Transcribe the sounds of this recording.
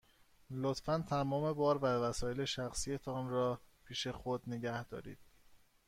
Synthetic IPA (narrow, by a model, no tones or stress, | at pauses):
lot̪fænt̪ʰæmɒːme̞bɒːɾvævæsɒːje̞le̞ʃæxsijet̪ʰɒːnrɒːpʰiːʃe̞xod̪neɟæhd̪̥ɒ̰ːɾḭːd̪̥̚